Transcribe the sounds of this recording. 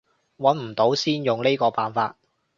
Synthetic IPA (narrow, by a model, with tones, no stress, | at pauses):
wɐ˨˥nm̩˨˩t̪o˨˥wsiː˥njʊ˨ŋle˥kɔː˧paː˨nfaː˧t̚